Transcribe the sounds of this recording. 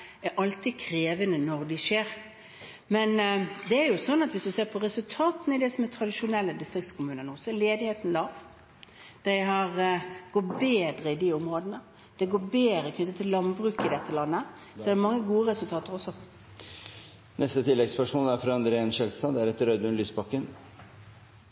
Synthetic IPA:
ɛɾʔɑlt̪idkʰɾeːʋənənɔʁd̪ɪʂeːɾ | mɛnd̪ɛæɾjʊsɔnːɑt̪ʋɪsd̪ʉseːʁpʰɔɾɛsʉlt̪ʰɑːt̪n̩ɪd̪ɛsɔmɛt̪ʰɾɑd̪ɪʂʊnɛlːəd̪ɪst̪ɾɪk̚t̪skʰʊmʉːnənuːsɔɛɾleːd̪ɪheːt̪n̩lɑːʋ | d̪̥æɪɦɑɾɡ̥ɔt̪beːd̪ɾəɪd̪iʊmɾoːd̪ənə | d̪̥ɛɪɡoːbeːd̪ɾəkʰnʏt̪ːət̪ʰːɪllːɑnbɾʉːkɪd̪ɛt̪ʰːəlɑnːə | sɔɛd̪ɛmɑŋːəɡuːəɾɛsʉlt̪ʰɑːt̪əɾɔsːɔ | nʔɛst̪ət̪ʰɪlːɛɡspæʂuːnæɾfɾɑɑnd̪ɾeːnʃɛlst̪ɑd̪æɾɛt̪ɾœd̪ʉnlyːsbɑkːən

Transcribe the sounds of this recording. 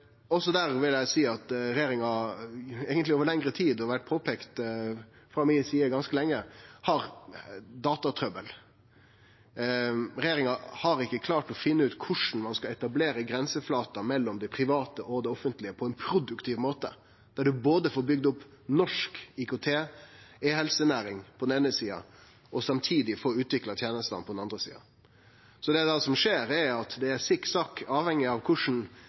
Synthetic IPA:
ɔsɔd̪æːɾʋɪljæɪsiːɑt̪ɾɛjeːɾɪŋɑ | æɡənt̪lɪoːʋəɾɭɛŋɾət̪ʰiːd̪ɔʋæʈ̚ːpʰoːpʰekt̪ | fɾɑmɪsiːəɡɑnskəlɛŋːəhɑɾ | d̪ɑːt̪ɑt̪ʰɾœbəl | ɾɛjeːɾɪŋɑhɑɾɪkːəkʰlɑːʈɔfɪnːəʉːt̪kʰʊʂn̩mɑnskɑɛt̪ɑbleːɾəɡɾɛnsəflɑːt̪ɑmɛlːɔmd̪ɛpʰɾɪʋɑːt̪əʔɔd̪ɛɔfənt̪lɪəpʰɔɛɪnpʰɾʊd̪ʉkt̪ʰiːʋmoːt̪ə | d̪̥æɖʉboːd̪əfoːɾbʏɡd̪ʊpː | nɔʂkikʊt̪ʰeːɛɦɛlsənæːɾɪŋpʰɔd̪ɛneːnəsiːɑ̰ | ɔsɑmt̪ʰiːd̪ɪfoːʉːt̪ʋɪklɑt̪ʰjeːnəst̪ɑ̰npɔd̪ɛnɑnd̪ɾəsḭːɑ̰ | sɔd̪ɛd̪ɑsɔmʂeːɾæɾɑt̪d̪ɛæɾsɪksɑkɑːʋhɛŋːɪɑʋkʰʊʂɳn̩

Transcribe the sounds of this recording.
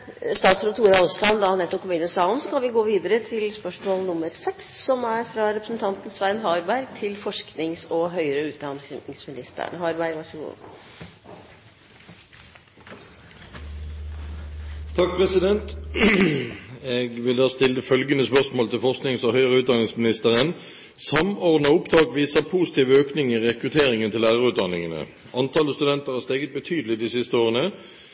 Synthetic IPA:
st̪ɑːt̪sɾɑt̪ʰuːɾɑɔslɑnd̪ɑnɛt̪ːɔpkʰɔmʉːnəsɑːɔmsɔkʰɑnʋɪɡoːʋiːd̪əɾət̪ʰɪlspœʂmoːlnʊmːəɾsɛksːɔmæɾfɾɑɾɛpɾəsn̩t̪ʰɑnt̪n̩sʋæɪnɦɑːɾbæɾɡ̚t̪ʰɪlfɔʂknɪŋsɔɦœʏəɾəʉːt̪̚d̪ɑnsɛnɪŋsmɪnɪst̪ə̰ɾ̰nəhɑːɾbæɪɡʋɑʂɡṵː | t̪ʰɑk̚pʰʁɛsɪd̪ɛnt̪ | eːɡʋɪld̪ɑːst̪ɪləfœlɡənəspœʁsmoːlt̪ʰɪlfɔʁsknɪŋsɔhœʏəʁəʉːt̪d̪ɑnɪŋsmɪnɪst̪əʁən | sɑmɔʁd̪nɑʊpd̪ɑːɡʋiːsəpʰuːsɪ̥t̪iːʋəøːknɪŋəʁɛkʁʉt̪ʰeːʁɪŋənt̪ɪlæːʁəʁʉːt̪̚d̪ɑnɪŋənə̰ | ʔɑnt̪ʰɑləst̪ʉd̪ɛnt̪əʁhæʁst̪eːɡət̪̚bət̪ʰyːd̪əlɪd̪isɪst̪əoːʁənə

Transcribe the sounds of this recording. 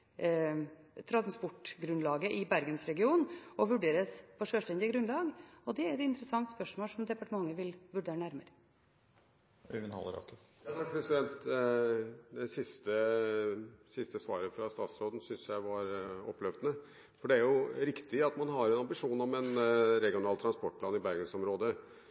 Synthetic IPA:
t̪ʰɾɑnspʊʈːɡɾʉnlɑːɡəʔɪbæɾɡənsɾɛɡɪuːnɔʋʉɖeːɾəsfɔʂøːʂʈɛnd̪ɪəɡɾʉnlɑːɡɔd̪ɛæɾɛt̪ɪnt̪ɾəsɑŋt̪spœʂmoːlsɔmd̪ɛpɑʈəmɑŋːəʋɪlʋʉɖeːɾəɳæɾməɾə | œʋənhɑ̰lːəɾɑ̰kə | jɑsɑkpʰɾɛsɪd̪ɛnt̪ | d̪ɛsɪst̪ə | sɪst̪əsʋɑ̰ːɾəfɾɑst̪ɑːt̪sɾoːd̪n̩sʏnsjæɪʋɑɾɔ̰pːlœʋd̪ənə | fɔɖɛæɾjʊɾɪkt̪ɪɑt̪mɑnɦɑɾɛnɑmbɪʂuːnɔmɛnɾɛɡɪʊnɑːlt̪ʰɾɑnspɔʈ̚pʰlɑːnɪbæɾɡənsɔmɾoːd̪ə

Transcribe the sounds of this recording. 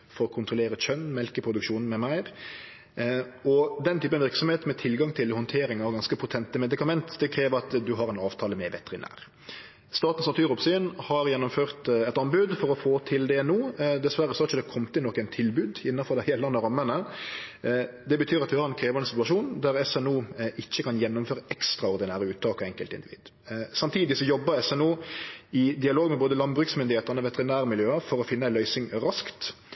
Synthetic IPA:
fɔɾɔkʰʊnt̪ʁɔleːɾət͡ʃœnːmɛlkəpʰʁʊd̪ʉkʃuːnn̩mɛmæɪʁ | ɔd̪ɛnt̪ʰyːpənʋɪʁksɔmheːt̪mɛt̪ʰɪlɡɑŋt̪ʰɪlhɔnt̪ʰeːɾɪŋɑʋɡɑnskəpʰʊt̪ʰɛnt̪əmɛd̪ɪkɑmɛnt̪d̪ɛkʰɾeːʋəʁɑt̪d̪ʉɦɑɾɛɪnɑːʋt̪ʰɑːləmɛʋɛt̪ʁɪnæ̰ːʁ | st̪ɑːt̪n̩sɑt̪yːʁʊpsyːnhɑɾjɛnːɔmføːʁt̪ɛt̪ɑmbʉd̪fɔɾɔfoːt̪ʰɪld̪ɛɛnuːd̪ɛsʋæɾəsɔɾɪçəd̪ɛkʰɔmt̪ɪlɔkːæɪnt̪ʰɪlbʉːd̪ɪnːɑfɔʁd̪ɛɪhɛːlɑnəɾɑmːənə | d̪ɛbət̪ʰyːɾɑt̪ʋɪhɑʁɛnkʰɾeːʋəʁɛnsɪt̪ʉɑʂuːnd̪æɾɛsɛnuːʔɪçːəkʰɑnjɛnːʊmføːɾəʔɛkst̪ɾɑɔʁd̪ɪnæːɾəʉːt̪t̪ʰɑːkɔɛŋkəlt̪ɪnd̪ɪʋḭːd̪ | sɑmt̪ʰiːd̪ɪsɔjɔbːəɾɛsɛnuːɪd̪ɪɑloːɡmɛboːd̪əlɑnbɾʉːksmʏnd̪ɪheːt̪əʁnəʋɛt̪ɛʁɪnæːɾəmɪljøːəfɔɾɔfɪnːəæɪlœʏsɪŋɾɑskt̪

